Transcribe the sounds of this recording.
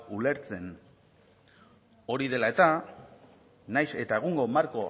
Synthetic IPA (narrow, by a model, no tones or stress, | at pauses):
ule̞ɾt͡se̞n | o̞ɾið̞e̞lae̞t̪a | najse̞t̪ae̞ɣ̞uŋɡo̞maɾko̞